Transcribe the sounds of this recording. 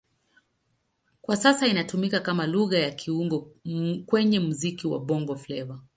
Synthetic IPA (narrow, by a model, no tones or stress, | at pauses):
kwasasainatumikakamaluɣajakʰiuŋɡɔkwɛɲɛmuzikiwa̰ɓɔŋɡɔflɛva